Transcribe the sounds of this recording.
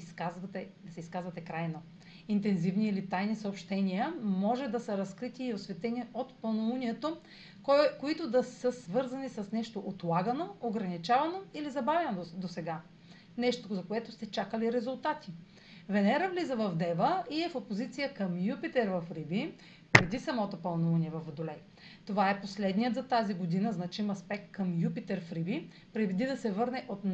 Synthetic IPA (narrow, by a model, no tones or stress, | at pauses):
iskazvɐt̪ɛd̪ɐsɛiskazvɐt̪ɛkɾajnɐ | int̪ɛnzivniːlit̪ajnisəopʃt̪ɛnʲiəmɔʒɛd̪ɐsɐɾɐskɾit̪iːosvɛt̪ɛniot̪pɐnouniɛt̪o | koit̪ʊd̪ɐsəsvɤɾzɐnisɐsnɛʃt̪oʔot̪lˠaɡənooɡɾɐnit͡ʃavɐnoilizɐbavʲɛnod̪osɛɡa | nɛʃt̪ozɐkoɛt̪ʊst̪ɛt͡ʃakəliɾɛzʊlˠt̪at̪i̥ | vɛnɛɾəvlizəvɐvd̪ɛvəiɛfopozit̪sijəkəmjupit̪ɛɾvɐfɾibi | pɾɛd̪isɐmɔt̪opɐlˠnuvɐniɛvɐfɐd̪olɛj | t̪ovaɛposlɛd̪nijət̪zɐt̪aziɡod̪inəznɐt͡ʃimɐspɛk̚t̪̚kəmjupit̪ɛɾfɾibi | pɾɛd̪id̪ɐsɛvɤɾnɛʔot̪